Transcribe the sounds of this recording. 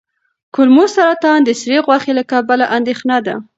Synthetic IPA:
kʊlmosaɾat̪ɑnd̪əsɾeɣwaxelakɑbalaʔand̪exnɑd̪a̰

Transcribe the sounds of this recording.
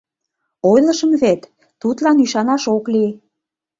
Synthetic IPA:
ojlə̆ʃəmβet̪ː | ut̪lɑnyʃɑnɑʃokli

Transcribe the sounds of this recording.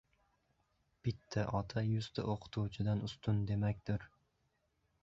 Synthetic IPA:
b̥ɪt̪ʰːaʔɒt̪ʰajʊst̪ʰa̰ʔoqʰɨ̥t̪ʰuwt͡ʃʰɪd̪anʊst̪ʊnd̪e̞makʲd̪̥ɪɾ

